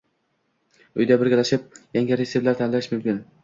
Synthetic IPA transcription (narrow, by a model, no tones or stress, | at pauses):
ʊjd̪abɪɾɡʲalaʃɪp̚jaŋɡʲaɾeseplaɾt̪ʰanɪlaɪʃmʊmkʲɪn